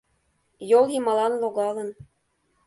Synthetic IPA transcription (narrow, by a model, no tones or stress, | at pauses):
jolˠjimɑlˠɑnloɣɑlə̆n